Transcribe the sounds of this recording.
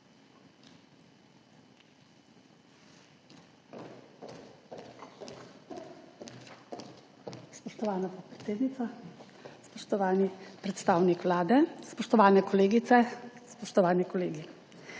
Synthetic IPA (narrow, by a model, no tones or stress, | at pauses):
spɔʃt̪ɔʋaːnapɔt̪̚pɾɛt̪eːd̪nit̪a | spɔʃt̪ɔʋaːnipɾɛt̪st̪aːwnikʋlaːd̪ɛspɔʃt̪ɔʋaːnɛkɔleːɡit̪sɛspɔʃt̪ɔʋaːnikɔleːɡi